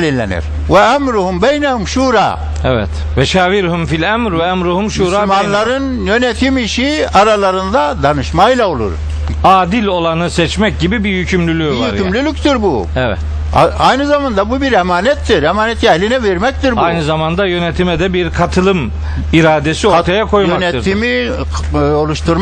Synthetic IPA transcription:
lʲinlʲːḛnḭɾ̥ | vɛæmɾuhumbejnɛhumʃuːɾa̰ː | ɛvɛ̰t̪ | vɛʃaːviɾhumfilʲæmɾvɛæmɾuhumʃuɾaːmanlˠaɾɯnjønet̪ʰimiʃiaɾalˠaɾɯnd̪ad̪anɯʃmajlˠao̞lˠṵɾ | aːd̪ilʲo̞lˠanɯsɛt͡ʃmɛc̚ɟibibihycʰymlʲylʲyjoihyɾʲymlʲylʲyc̚t̪ʰiɾbṵ | ɛvɛ̰t̪ | a̰ajnɯzamand̪abubiɾemaːnɛt̪ːiɾemaːnɛt̪ʰiɛhlʲinɛveɾmɛc̚t̪iɾbajnɯzamand̪ajø̞net̪ʰimɛd̪ɛbiɾkʰat̪ʰɯlˠɯm | iɾaːd̪esiot̪ʰajakʰo̞jmakneɯɾd̪imi | o̞lˠuʃt̪ʰuɾm

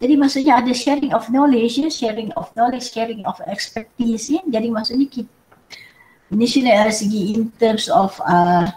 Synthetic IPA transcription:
d̥ɛdĩŋmasoɲaadəʃɛɹĩŋɔfnɔled͡ʒəʃɛɹĩŋɔfnɔlet͡ʃʃɛɹĩŋɔfɛkspɛk̚tisaɡɛdĩŋmasoɲaki | niʃɔnəasiɡiĩnt̪ə̃msɔfa

